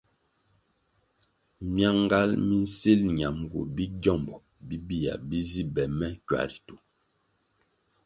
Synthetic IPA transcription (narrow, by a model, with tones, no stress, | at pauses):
mja˦ŋ˦ɡa˦lmi˦n̩˦se˦lɲa˨mɡo̰˨bi˦ɟɔ˦˨mbɔ˨ | bi˦bi˦˨ja̰˨bi˦zi˦bɛ˨mɛ˦kwa̰˨ɾi˨tu˨